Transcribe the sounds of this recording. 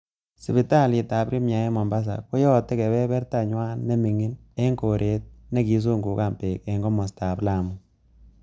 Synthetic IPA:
si˨bi˨ta˦˨li˨ta˨pɾi˦mja˨ɛ˦mɔ˨mba˦s̬a̰˨kʊ˦jɔ˦tːɛ˦kɛ˨bɛ˦bɛ˦rta˦ɲwa˦nːe˦mi˨ŋi˦ne˦ŋko˨ɾʔe˨˦t̚ne˦ki˨˦s̬u˦ŋɡu˨ka˦˨mpe˨kɛ˨ŋɡɔ˦mɔ˨sta˨pla˨mu

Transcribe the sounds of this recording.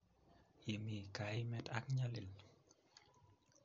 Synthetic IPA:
je˨mi˨ka˨ɪ˦mɛ˦ta˦kɲa˦lɪ˨l

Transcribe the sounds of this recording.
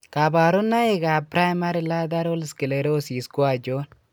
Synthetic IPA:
ka˨ba˨ɾʊ˦nːa˦e˦ɡa˨pɾa˦jma˦ɾi˨la˦d̪a˦ɾo˦lski˨le˨ɾo˦si˨skwa˨d͡ʒo˦n

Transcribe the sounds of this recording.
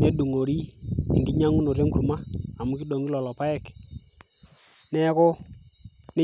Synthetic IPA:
ne˦ɗu˨ŋo˨ɾi˦ɪ̰˨ŋɡɪ˦ɲa˦ŋu˦no˨ɾje˦ŋku˨ɾma˦a˨mʊ˦kɪ˦ɗo˨ŋi˦lɔ˨lɔ˨pa˦ɛ˦˨k | nɛ˦kʊ˦ | nɛ˦

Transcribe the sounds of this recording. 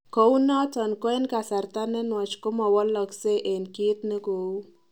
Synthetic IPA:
ko˨˦u˦nɔ˦tɔ˨nkɔ˦e˦nka˨sa˨ɾt̪a˦nɛ˦nwɔ˨t͡ʃkʊ˦mɔ˨wɔ˦lɔ˨kse˦ʔe˨nki˦t̪ne˦ko˨u˦

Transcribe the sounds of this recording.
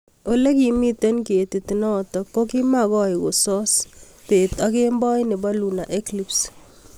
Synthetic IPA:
o˦le˦ki˨mi˦te˦nke˨ti˨ti˨nɔ˦tɔ˨kːo˦ki˦makɔ˦i˨ko˨sɔ˦s | te˨ta˦ke˦mbɔ˦jne˨ba˦lu˨na˨ʔe˦klips

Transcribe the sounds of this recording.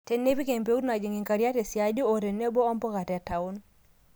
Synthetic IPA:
te˨nːe˦pi˦ke˨mpe˦u˦ɾna˨d͡ʒi˨ŋi˨ŋka˨ɾja˦te˨sja˨d͡ʒo˦o˨ɾe˨ne˦bo˦ɔ˦mpɔ˦ka˨tɛ˨ta˨ʊ˦n

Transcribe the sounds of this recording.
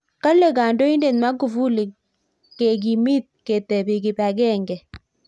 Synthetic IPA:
ka˦le˨ɡa˨ndo˦i˦nde˨nma˦ɡu˨vu˦li˨ | ke˨ɡ̬i˨mi˦t̪̚ke˨tɛ˨bi˨ɡi˨ba˨ɡɛ˦˨ŋɡɛ˨

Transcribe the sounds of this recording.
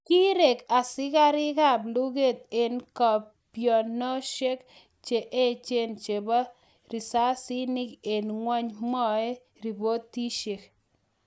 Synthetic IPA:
ki˦ɾe˨ka˨sɪ˦ka˦ɾɪ˦ka˦˨blu˦ɡe˦˨t̪̚e˨nkɔ˨ | pjɔ˨nːɔ˦ʃe˦k | t͡ʃe˨ʔe˦t͡ʃe˦nt͡ʃe˨ba˦ | ɾi˨sa˦sɪ˦nɪ˦ke˨nŋwa˦ɲmɔ˦e˦ | ɾi˨bo˦tːi˦ʃe˨k

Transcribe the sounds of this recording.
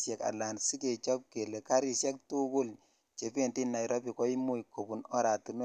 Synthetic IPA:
sjɛ˨ka̰˨la˨nsi˦ke˨t͡ʃɔ˦p̚ke˨le˨ka˦ɾi˦˨sjɛ˦k̚tu˦kʊ˦l | t͡ʃe˨pe˦˨ndi˦nːa˨jɾʔɔ˦pi˨kɔ˦i˦mu˦i˨kːo˨pu˨nɔ˦ɾa˨tu˨n˦

